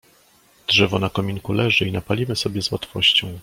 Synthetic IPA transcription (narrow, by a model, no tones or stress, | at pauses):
dʐɛvɔnakɔmʲiŋkulɛʐɘinapalʲimɘsɔbʲjɛzwat̪fɔɕt͡ɕɔ̃w̃